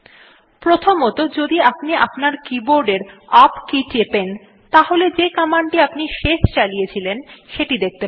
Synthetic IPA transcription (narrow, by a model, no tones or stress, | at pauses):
pɾot̪ʰomot̪od͡ʑod̪iapniʔapnaɾkiboɾɖeɾapkit͡ɕepen | t̪aɦoled͡ʑekamaɳɖʈiapniʃeʃt͡ɕalijet͡ɕʰilenʃeʈid̪ek̚t̪e